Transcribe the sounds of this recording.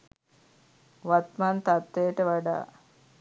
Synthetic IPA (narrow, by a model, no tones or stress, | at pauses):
ʋat̪mant̪at̪ːejəʈəʋaɖa̰ː